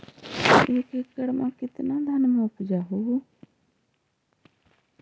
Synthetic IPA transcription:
eːkekːəɽmãːkɪt̪nãːd̪ʱənmʊpd͡ʒaːɦo

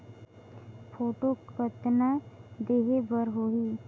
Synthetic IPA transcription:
pʰoːʈokət̪nad̪eːɦebəɾɦoɦi

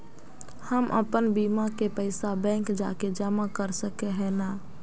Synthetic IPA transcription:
həmʔə̰pənbimakepəɪsabɛ̃ːŋkd͡ʒa̰ːked͡ʒəmakəɾsəkeɦɛːna

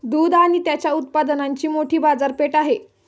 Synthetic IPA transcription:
d̪uːd̪aɽ̃it̪jat͡ɕjaut̪̚pad̪ənaɲt͡ɕiːmoʈʰiːbad͡zaɾpeʈaɦe

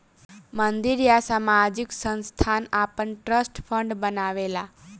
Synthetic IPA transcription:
mənd̪iɾjasamad͡ʒiksə̃nst̪ʰanapəɳʈɾəsʈfʰəɳɖbənaʋela

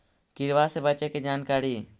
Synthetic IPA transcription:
kiɾwasɛbət͡ʃɛkɛd͡ʒankaɾi

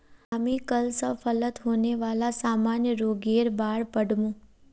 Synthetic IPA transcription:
amĩkəlsəfʰələt̪ɦoneʋalasaːmanjəɾoːɡeːɾbaːɽpəɽʱmũː

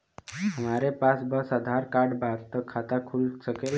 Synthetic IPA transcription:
ɦəmaɾepasbəsəd̪ʱaɾkaɾɖbadt̪əkʰːat̪akʰulsəkel

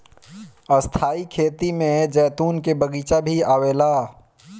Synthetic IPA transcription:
əst̪ʰaːikʰeːt̪imẽd͡ʒɛːt̪uːnkebɐɡiːt͡ʃabʱiaːʋeːlaː

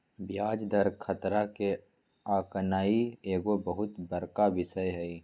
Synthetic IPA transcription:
bjaːd͡ʒd̪ɐɾkʰət̪ɾake | aːkənaːieːɡobɐɦʊt̪bɐɾkaʋɪsəjɦɛi

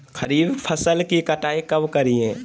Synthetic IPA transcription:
xɐɾiːbpʰɐsəlkikɐʈaːikɐbkɐɾiẽː

